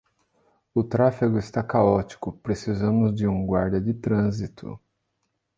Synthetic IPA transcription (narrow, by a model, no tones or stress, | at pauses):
ʊt̪ɾafiɡʊɪst̪akaɔt͡ʃi̥kʊpɾesizɐ̃mʊzd͡ʒɪũɡwaɾd͡ʒɐd͡ʒɪt̪ɾɐ̃zit̪ʰʊ̰